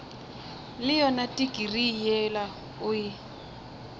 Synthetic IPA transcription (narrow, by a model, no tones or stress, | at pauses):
lɪjɔnatʼikʼirijɛla | ʊjɪ